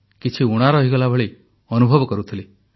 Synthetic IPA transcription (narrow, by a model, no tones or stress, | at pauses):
kit͡ʃʰiuɽ̃aɾɔɦiɡɔlabʱɔɭi | ɔnubʱɔbɔkɔɾut̪ʰili